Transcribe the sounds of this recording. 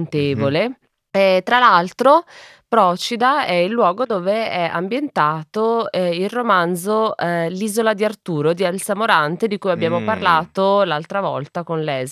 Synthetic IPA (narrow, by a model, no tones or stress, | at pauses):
nt̪eːvole | ɛt̪ɾalalt̪ɾo | pɾɔːt͡ʃid̪aɛilːwɔːɡod̪oːveɛa̰mbjent̪aːt̪oilromand̪zoliːzolad̪iart̪uːɾod̪ialsamoɾant̪ed̪ikuːjabːjaːmoparlaːt̪olalt̪ɾavɔ̰lt̪akonlɛːz